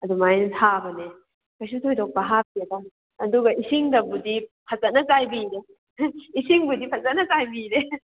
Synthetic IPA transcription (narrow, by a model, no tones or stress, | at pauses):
ɐdumajnɐtʰabɐne | kajs̬utʰojdɔk̚pɐɦap̚kedaː | duɡɐʔisiŋdɐbudipʰɐt͡ʃɐt̚nɐkajbiɾe | isiŋbudipʰɐzɐt̚nɐkajbiɾe